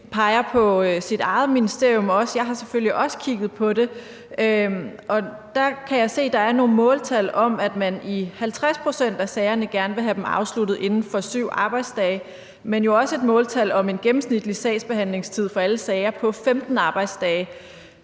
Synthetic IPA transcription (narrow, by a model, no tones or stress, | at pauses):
pʰɑ̈ɪɐpʰɒ̽sid̥ɑ̈ɪð̩ˠminisd̥e̝ɐ̰jɔ̽mɒ̽səjɑ̈ɪɦɑ̈seføl̰iʔɒ̽sə̥kʰiɡ̥ð̞̩ˠpʰɒ̽ɾe̝ | øʔɒ̽ | d̥ɑ̈kʰæjɑɪse̝̰ːd̥ɑ̈æɐno̝ːn̩mɔ̽ːlt͡sʰæl̰ɒ̽mæd̥mænihælt͡sʰʁaspʰʁo̝sen̰d̥æsɛɪɐnəɡ̥æɐnʋe̝ɦæd̥emɑ̈ʊslud̥ð̞̩ˠʔe̝nn̩fɒ̽syʊ̰ɑ̈ːb̥ɑ̈ɪ̰d̥sd̥ɛːɪ | menjo̝ɒ̽səe̝d̥mɔ̽ːlt͡sʰæl̰ɒ̽me̝nɡ̥emm̩snid̥lisɛ̰ːsb̥e̝ɦæn̰le̝ŋst͡sʰið̞̰ˠfɒ̽æləsɛɪɐpʰɒ̽femd̥n̩ɑ̈ːb̥ɑ̈ɪd̥sd̥ɛːɪ